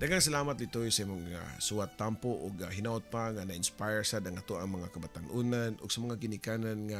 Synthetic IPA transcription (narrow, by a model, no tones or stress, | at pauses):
d̪aɡaŋs̬ɐlaːmat̪̚lɪt̪ojsɐimoŋa̰suat̪ːampoʔoɡaɦɪnaʔot̪̚paŋanaʔɪnspajɹsad̪ɐŋat̪oʔɐŋmɐŋakɐbat̪anʔunanʔʊ̰ɡ̥sɐmɐŋaɡɪnɪkaːnanŋa